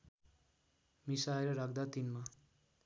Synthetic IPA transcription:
misaeɾʌɾak̚ʰd̪at̪inma

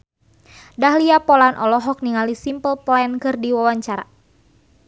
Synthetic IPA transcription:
dahliapɔlanʔɔlɔɦɔk̚niŋalisimpəlpɔɛnkɨrdiwawaɲt͡ʃaɾa̰

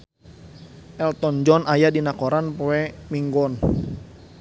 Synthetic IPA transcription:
ʔɛlt̪ɔnd͡ʒɔnʔajadinakoɾanpoɛmiŋɡɔn

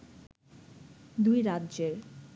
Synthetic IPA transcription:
d̪ujɾadːʑeɾ

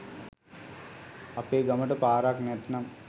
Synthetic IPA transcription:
apeːɡaməʈəpaːɾaknɛt̪nam

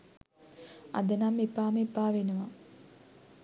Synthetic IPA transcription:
a̰d̪ənamːepːaːmepːaːʋenəʋa

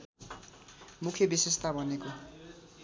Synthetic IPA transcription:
mukʰjʌbisest̪ʰabʱʌneko

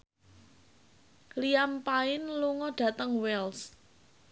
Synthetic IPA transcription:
kliampaɪnluŋɔɖ̥ä̤t̪əŋwɛls

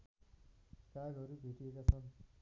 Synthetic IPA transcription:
kaɡɦʌɾubʱeʈiekat͡sʰʌn

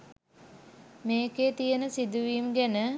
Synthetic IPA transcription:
meːkeːt̪ijənəsid̪uʋiːmɡænə

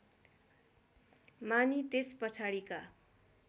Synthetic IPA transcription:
manit̪espʌt͡sʰaɽika

